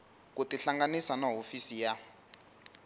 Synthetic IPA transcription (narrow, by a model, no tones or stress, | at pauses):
k̬utiɬaŋɡanisanaɦofisija